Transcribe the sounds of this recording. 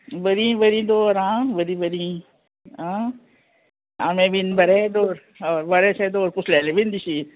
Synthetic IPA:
bəɾĩbəɾĩːd̪oːɾãːbəɾibəɾĩ | ã | a̰mẽbinbɐɾed̪oːɾ | ɔːɾʋɐɾesed̪oːɾpʊsleːlebind̪isi

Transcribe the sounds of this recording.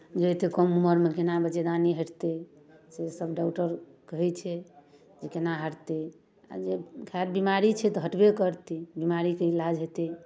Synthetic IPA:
d͡ʒet̪ekəmuməɾmekenabət͡ʃed̪aniɦəʈʰt̪e | sesəbɖaʊʈəɾkəɦɛt͡ʃʰɛ | d͡ʒekenaɦəɾt̪e | a̰d͡ʒekʰaɾbimaɾit͡ʃʰɛt̪ɔɦəʈbekəɾt̪ibimaɾikeilad͡ʒɦet̪i

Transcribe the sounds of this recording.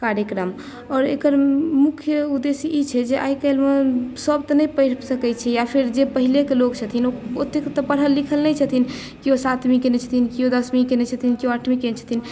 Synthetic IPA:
kaɾjəkɾəm | ɔːɾḛkəɾmukʰjəud̪esiʔːt͡ʃʰɛd͡ʒeʔa̰jkəɪlmesəbt̪ɔnəjpjɾsəkɛt͡ʃʰɛjapʰiɾd͡ʒepəɦilekelokt͡ʃʰət̪ʰinoot̪ekt̪ɔpəɽ̤ɦəlːikʰəlnɛjt͡ʃʰət̪in | kiosat̪mĩkenɛt͡ʃʰə̥t̪ʰinkiod̪əsmĩkenet͡ʃʰət̪ʰinkioaʈʰmĩkent͡ʃʰə̥t̪ʰin

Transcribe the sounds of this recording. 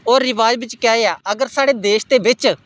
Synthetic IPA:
oːɾːɪʋaːd͡ʒbɪt͡ʃkɛːeːaːəɡəɾsaːɽeːd̪eːʃd̪eːʋɪt͡ʃ

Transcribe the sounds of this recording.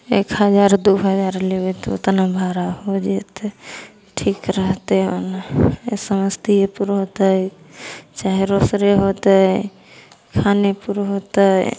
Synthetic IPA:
ekɦəd͡ʒaɾd̪uɦəd͡ʒaɾleʋet̪oo̰t̪nabʱaɾahod͡ʒet̪ | ʈʰikɾəɦt̪eo̰nasəməst̪iepuɾɦot̪a | t͡ʃaɦeɾosɾeɦot̪ə | kʰanepuɾɦot̪ə

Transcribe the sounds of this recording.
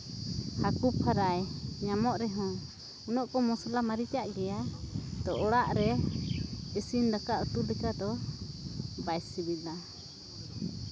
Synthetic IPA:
hakup̚haɾajɲamɔʔɾɛɦɔ̃ | unɔʔkɔmɔsalamaɾit͡ʃaʔɡɛjad̪ɔɔɽaʔɾɛ | əsindakaʔut̪ulɛkad̪ɔ | bajsibila

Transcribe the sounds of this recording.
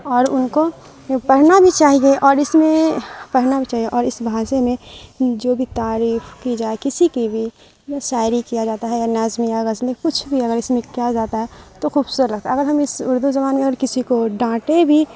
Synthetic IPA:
ɔːɾʊnko | pɐɽ̤nabʱit͡ʃaːɦieʔɔːɾɪsmẽpɐɽ̤nabʱit͡ʃaːɦieʔɔːɾɪsbʱaːsemẽd͡ʒoːbʱit̪aːɾiːfʰkid͡ʒaːekɪsikibʱi | jʃaːɪɾikijad͡ʒaːt̪aɦɛjanaːzmijaɣəzlekʊt͡ʃʰbʱiɐɡəɾɪsmẽkijad͡ʒaːt̪aɦɛt̪oxuːbsʊɾəɾlɐɡ̚t̪aɐɡəɾɦɐmɪsʊɾd̪uzɐbaːnmẽɐɡəɾkɪsikoɖãːʈebʱi

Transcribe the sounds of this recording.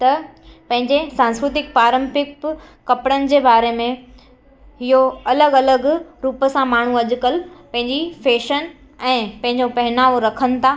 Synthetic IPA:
t̪ɐpɐ̃ɦɪ̃ɲd͡ʑesãːnskɾʊt̪ɪk̚paːɾə̃mpɪk̚kɐpɽənɪ̆d͡ʑeːbaːɾemẽ | ɦɪɦoɐləɡɐləɡɾuːpsãmaːɳ̤uɐʄʊkəlpɐ̃ɦɪ̃ɲd͡ʑifeːʃən | ɛ̃ːpɐ̃ɦɪ̃ɲd͡ʑopɐɦɪnaːʋoɾɐkʰənɪ̆t̪ʰaː

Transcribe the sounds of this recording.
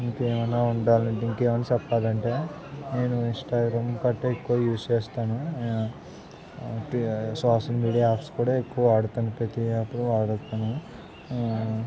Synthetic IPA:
iŋkeːʋɐnːaːuɳɖaːlɐɳʈiŋkeːmɐnːaːt͡ʃɛpːaːlɐɳʈe̞ː | ne̞ːnuinsʈaːɡɾamkɐʈːeekːuʋɐjuːst͡ʃeːst̪aːnu | ʈsaːʂɐlmiːɽijaaːpʰskuːɽaːekːuʋɐaːɽut̪ɐnupɾet̪iɐpːuɽuaːɽt̪anu

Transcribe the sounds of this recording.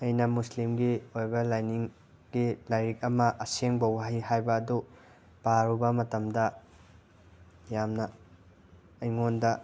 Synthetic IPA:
ɐjnɐmuslimɡiojbɐlajniŋ | ɡilajɾik̚ɐmɐʔɐseŋbɐwaɦihajbɐːdu | paɾubɐmɐtɐmdɐ | jamnɐ | jŋondɐ

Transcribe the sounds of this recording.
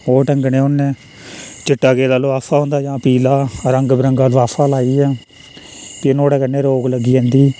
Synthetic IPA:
oːʈəŋɡɳẽːʊnːẽː | t͡ʃɪʈːaːkeːlaːloːaːpʰaːɦõːnd̪aːd͡ʒãːpiːlaːɾəŋɡbɾəŋɡaːlːaːpʰaːlaːiːɛː | p̪enoːɽɛːkənːẽːɾoːɡləɡiːãːnd̪iː

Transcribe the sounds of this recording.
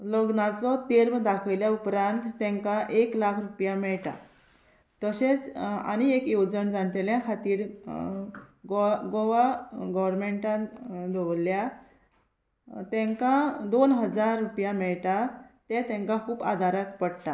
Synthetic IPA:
ləɡnat͡sɔt̪eɾmd̪akʰəʋljaupɾant̪ːɛ̃ŋkãʔeklakʰɾupjamɛɭʈa̰ | t̪əɕet͡sa̰ñiekjud͡zənd͡zaɳʈ̪eljãkʰat̪iːɾ | ɡɡoʋaɡɔʋəɾmeɳʈãd̪ʱɔʋlːja | t̪ɛ̃ŋkãd̪onɦəd͡zaɾːupjamɛɭʈ̪at̪ɛ̃t̪ɛ̃ŋkãkʰuːba̰d̪ʱaɾakpəɽʈ̪a

